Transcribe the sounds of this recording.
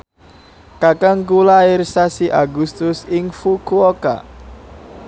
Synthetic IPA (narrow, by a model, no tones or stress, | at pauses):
kakaŋɡulaɪrsasiʔaɡust̪ʊsɪŋfukuoka̰